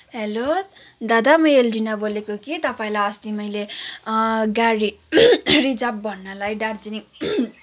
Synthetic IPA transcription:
ɦelo | d̪ad̪amʌelɖinabolekokit̪ʌpaĩlajʌst̪imʌjle | ɡaɾi | rid͡zab̚bʱʌnːʌlajɖard͡zinik

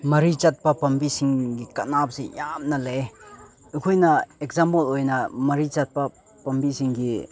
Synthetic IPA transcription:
mɐɾit͡ʃɐt̚pɐpɐmbisiŋɡikɐnap̚sijamnɐle | ɐkʰojnɐekzampolojnɐmɐɾit͡ʃat̚pɐ | pɐmbisiŋɡi

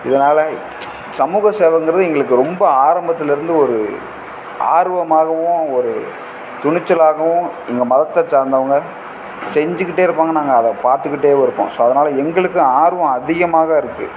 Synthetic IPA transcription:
ɪðɐnaːlɐ | sɐmuːɣɐseːʋɐŋɡɪɾɐðɯɛŋɡɐɭɯkːɯɾɔmbɐaːɾɐmbɐt̪ːɪlɪɾɯnd̪ɯɔɾɯ | ʔa̰ːɾɯʋɐmaːɣɐʋʊ̃ɔɾɯ̰ | t̪ʊɳɪt͡ʃːɐlaːɣɐʋʊ̃ | ɛŋɡɐmɐðɐt̪ːɐt͡ʃaːɾnd̪ɐʋɐŋɡɐ | sɛɲd͡ʒɯk̬ːɪʈːeːɪɾɯpːaːŋɡɐnaːŋɡɐːðɐpaːɾt̪ɯkːɪʈːeːʋɪɾɯpːõ̰ːsoːɐðɐnaːlɐɛŋɡɐɭɯkːɯaːɾɯʋɐ̃ɐðɪɣɐmaːɣɐɪɾɯkːɯ̰

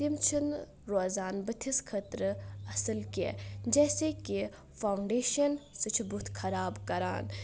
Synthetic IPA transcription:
imt͡ʃʰin | ɾoːzaːnbət̪ʰiskʰət̪ɾɐsəlkḛd͡ʒɛːseki | fʰawɳɖeːʃɐnsɨt͡ʃʰbut̪ʰkʰɐɾaːbkɐɾa̰ːn

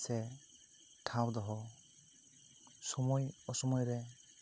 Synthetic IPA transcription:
sɛ | ʈʰawd̪ɔɦɔ | sɔmɔjɔsɔmɔjɾɛ

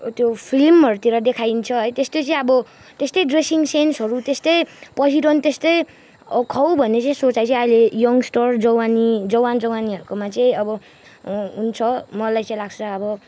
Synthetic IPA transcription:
t̪jopʰilmʌɾut̪iɾʌd̪ekʰajnt͡sʰʌɦʌjt̪est̪ot͡sʌĩʌbʌ | t̪est̪ʌjɖresiŋsensɦʌɾut̪est̪ʌjpʌsiɾʌnt̪est̪ʌj | kʰʌwbʱʌnːet͡sʌĩsot͡sajt͡sʌĩʌjlejʌŋɡsʈʌrd͡zʌwanid͡zʌwand͡zʌwaniʌɾukomat͡sʌĩʌbʌ | ɦunt͡sʰʌmʌlajt͡sʌĩlaɡ̚t͡sʰʌʌbʌ

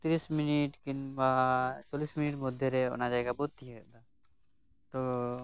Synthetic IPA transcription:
t̪ɾisminiʈkinbat͡ʃoliːsminiʈmʊd̪ʱːeɾɛɔ̰nad͡ʒaɛkabɔt̪̚ːiɛɛd̪a | t̪o

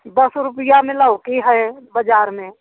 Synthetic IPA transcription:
d̪əsɾʊpɪjamẽləʊkiɦɛebəd͡ʒaːɾmẽ

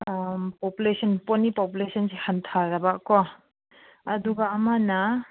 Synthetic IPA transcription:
populesʰɔnpɔnipopulesʰɔnsehantʰaɾabakɔ | ɐduɡaːmana

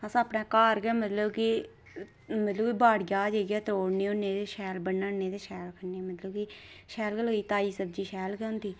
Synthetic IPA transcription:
əsãːəpnãːkaːɾɡɛːmət̪ləbki | mət̪ləbkibaːɽɡaːd͡ʒeːɡɛːt̪ɾoːɽneːʊnːeːd̪eːʃɛːlbənːaːnːeːd̪eːʃɛːlkʰəneːmət̪ləbkiʃɛːlkəlɦoːiːt̪aːiːsəb̚d͡ʒiːʃɛːlkɛʊ̃nt̪d̪iː

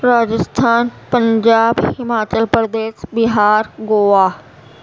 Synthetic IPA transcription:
ɾaːd͡ʑɪst̪ʰaːnpɐ̃ɲd͡ʑaːbhɪmaːt͡ɕəlpɾəd̪eːsbɪɦaːɾɡoːaː

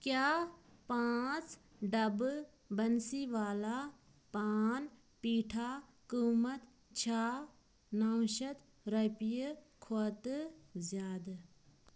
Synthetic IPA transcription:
kjaːpaːt͡s | ɖɐb | bɐnsiʋaːlaː | paːn | piːʈʰa | kuːmɐt̪ | t͡ʃʰaː | naːwʃɐt̪ | ɾɐpijəkʰoːt̪zjaːd̪

